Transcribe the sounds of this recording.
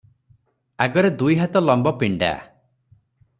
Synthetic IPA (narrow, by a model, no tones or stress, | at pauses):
aɡɔɾed̪ujɦat̪ɔlɔmbɔpiɳɖa̰